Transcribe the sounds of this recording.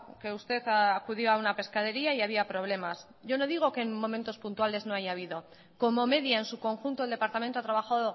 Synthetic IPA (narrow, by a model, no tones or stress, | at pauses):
ke̞ust̪e̞θakuðiaunape̞skaðe̞ɾiaiaβiapɾo̞β̞le̞mas | ʝo̞no̞ðiɣ̞o̞ke̞ːnmo̞me̞nt̪o̞spunt̪uale̞zno̞ajaβiðo̞ | ko̞mo̞me̞ðjaensuko̞ŋxunt̪oelepaɾt̪amẽnt̪o̞at̪ɾaβaxaðo